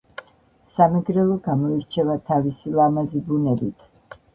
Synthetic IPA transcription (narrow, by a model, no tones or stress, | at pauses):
samɛɡɾɛlˠɔɡamɔiɾt͡ʃʰɛvat̪ʰavisilˠamazibunɛbit̪ʰ